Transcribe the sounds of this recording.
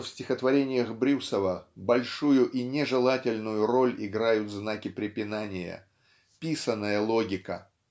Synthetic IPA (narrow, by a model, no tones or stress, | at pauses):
fsʲtʲɪxət̪vɐɾʲenʲɪjəxbɾʲusəvəbɐlʲʂujʊʔinʲɪʐɨlˠatʲɪlʲnʊjʊɾo̞lʲɪɡɾajʊt̪znakʲɪpɾʲɪpʲɪnanʲɪjə̰ | pʲisənːəjəlˠoɡʲɪkə̰